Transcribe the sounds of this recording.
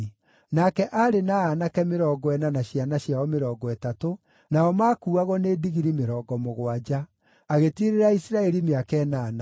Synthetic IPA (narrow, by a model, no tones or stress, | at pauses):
nakɛʔaɾenaanakɛmeɾɔːɡɔɛnanaʃjanaɕjaɔmeɾɔːɡɔɛtato | naɔmaːkuːaɣɔneːdiɣiɾimeɾɔːɡɔmoɣwad͡ʒaː | ɣetiɾeɾaisɾaɛɾimeakɛːnaːna